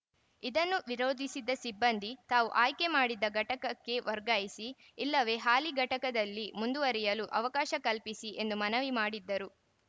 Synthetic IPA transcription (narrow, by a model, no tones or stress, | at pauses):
id̪ɐnːuʋiɾoːd̪ʱisid̪ːɐsibːɐnd̪it̪aːʋuʔaːjke̞maːɽid̪ːɐɡʱɐʈɐkɐkːe̞ʋɐɾɡaːjisiː | lːɐʋe̞ːɦaːliɡʱɐʈɐkɐd̪ɐlːimund̪uʋɐɾijɐluʔɐʋɐkaːʃɐkɐlpisiʔe̞nd̪umɐnɐʋimaːɽid̪ːɐɾu